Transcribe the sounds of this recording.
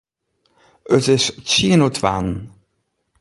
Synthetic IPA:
ətɪst͡ʃinotʰva̰nn

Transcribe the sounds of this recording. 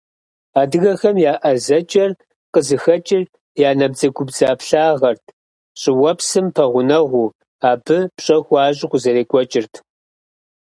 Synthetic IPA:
aːdɨɣɐxɐmjaːʔɐzɐt͡ʃʼɐr | qəzɨxɐt͡ʃʼɪr | jaːnɐbzɐɡʷʊbzaːpɬaːʁɐrtʰ | ɕʼɪwɐpsɨmpʰɐʁʷʊnɐʁʷuː | aːbɨpɕʼɐxʷɑːɕ̬ʼɪqʷʊzɐɾeːkʷʼɔt͡ʃʼɪrtʰ

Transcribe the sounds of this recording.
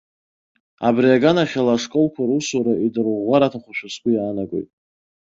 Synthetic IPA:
a̰briaɡanaχʲalaʂkʼolkʷʰaɾusuɾaʔidɨrʁʷaɾatʰaχʷaʃᶣaskʷʰʼʊjaːnaɡʷo̞̰jtʼ

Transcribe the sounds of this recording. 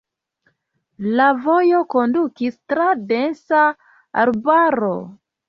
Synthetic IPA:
lavo̞jo̞ko̞ndukistɾadensa | a̰ɾbaɾo̞̰

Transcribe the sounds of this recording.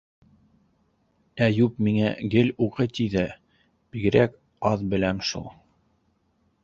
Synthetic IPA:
æjup̚miŋæɡɘluqɤt̪iðɘ | b̥iɡɘ̆ɾæk | ɑðbɘ̆læmʃṵlˠ

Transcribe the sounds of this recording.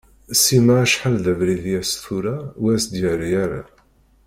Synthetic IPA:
simaʕʃħəlðævɾiðijæst̪uɾawæsd̪jæɾajæɾa̰

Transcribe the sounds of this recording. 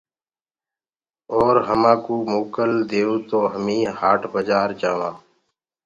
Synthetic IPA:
oːɾɦəmãːkuːmoːkəld̪eːuːt̪oːɦəmĩːhaːʈbəd͡ʒaːɾd͡ʒaːʋãː

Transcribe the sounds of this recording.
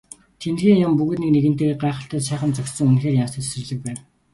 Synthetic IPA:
t̪ʰent̪xeːŋjʊmpuɣɘ̆t̪nikneɣɘ̆n̥t̪eːeɢaːχə̆ɬt̪æːt̪ʃæːχə̆nt͡sɔkt̪sə̆ŋunxeːrjamsə̆t̪ʰsrɘ̆ɮɘ̆k̚pæːn

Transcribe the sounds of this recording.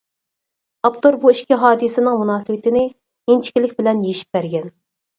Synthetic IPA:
ɑpt̪oɾbuiʃkʲiɦɑːd̪ɨsɪnɪŋmunɑːsɨwɪt̪ʰɪnɪ | ent͡ʃʰi̥kʲilɪk̚ʲbɪlɛnjejiʃi̥p̚b̥æɾɡʲɛn

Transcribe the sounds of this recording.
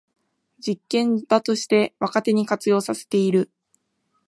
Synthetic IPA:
d͡ʑikːẽ̞nd̪̥at̪o̞ɕi̥t̪e̞βakat̪e̞ɲ̟ikat͡sɨjo̞ːsase̥t̪e̞iɾɯ̟

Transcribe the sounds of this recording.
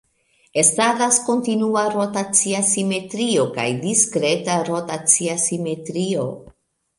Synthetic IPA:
e̞staɡasko̞ntinuaɾotat͡siasime̞tɾio̞ka̰jdiskɾe̞taɾotat͡siasime̞tɾio̞̰

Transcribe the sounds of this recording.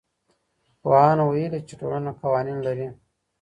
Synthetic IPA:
poɑnwajelit͡ʃeʈo̰lanaqawɑːninlaɾi

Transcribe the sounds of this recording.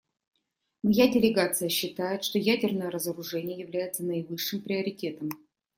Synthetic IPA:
mɐjadʲɪlʲɪɡat̪sɨjəɕːɪt̪ajɪt̪ʂt̪o̞jædʲɪrnəjəɾəzəɾʊʐɛnʲɪjəjɪvlʲæjɪt̪sənəɪvɨʂːɨmpɾʲɪəɾʲɪtʲe̞t̪əm

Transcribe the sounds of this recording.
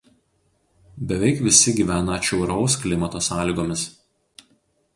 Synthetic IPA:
bʲɛʋʲɛɪkʋʲɪsʲɪɡʲiːʋʲæːnɐt͡ʃʲɛʊɾɒʊsklʲɪmɐt̪oːsɑːlʲiːɡoːmʲɪs

